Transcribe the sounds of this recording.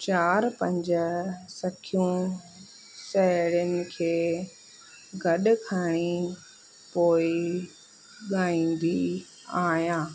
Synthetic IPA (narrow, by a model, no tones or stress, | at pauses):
t͡ɕaːɾpɐ̃ɲd͡ʑsɐkʰijũ | sɐɦɪɽənɪ̆kʰeː | ɡʱɐɗʊ̆kʰəɽ̃i | poːɪ | ɠaːĩːn̆d̪i | aːɦijãː